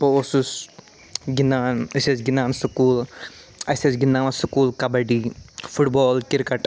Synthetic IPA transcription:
poosus | ɡinaːnɐsesɡinaːnsukuːl | ɐsesɡinaːmɐsukuːlkɐbɐɖifuʈbɔːlkiɾkɐʈ

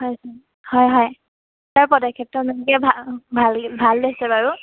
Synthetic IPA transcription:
ɦɔjsa | hɔjɦɔj | taɹpɔdakʰɛp̚tɔnɔnikɛbʱabʱalbʱaldesɛbaɹu

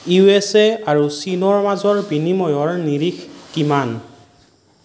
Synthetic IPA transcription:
jueseaɹusinɔɹmazɔɹbinimɔjɔɹniɹixkiman

